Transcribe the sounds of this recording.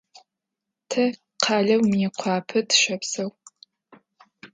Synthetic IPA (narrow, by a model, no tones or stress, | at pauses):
tʰɐ | qʰɑːɮɐwmiːqʷʰɑːpʰɨtʰʃɐpsɐw